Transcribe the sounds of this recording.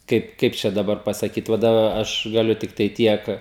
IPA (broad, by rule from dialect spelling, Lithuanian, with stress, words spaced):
ˈkɐɪp ˈkɐɪp t͡ʃʲɛ dɐˈbɐr pɐsɐˈkʲiːt ˈʋɐ dɐˈbɐ ˈɐʃ ɡɐˈlʲʊ ˈtʲɪktɐɪ ˈtʲiɛk